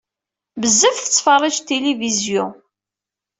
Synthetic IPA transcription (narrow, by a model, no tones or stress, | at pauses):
bəzːəfθə̥t͡sːfərˤːid͡ʒt̪ːelivizjʊ